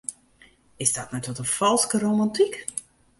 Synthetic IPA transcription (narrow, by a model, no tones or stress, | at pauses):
ɪsdɔt̚matɔtənfɔlˠskərowmantik